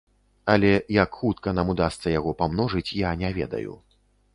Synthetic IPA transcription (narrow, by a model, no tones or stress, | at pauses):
ɐlʲɛjakxut̪kɐn̪amud̪ast̪sɐjaɣɔpamnɔʐɨt͡sʲjanʲɛvʲɛ̰d̪ɐ̰jṵ